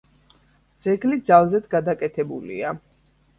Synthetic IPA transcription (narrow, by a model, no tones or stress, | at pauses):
d̪z̥ɛɡlid̪zalˠzɛd̪ɡad̪akʼɛt̪ʰɛbulḭa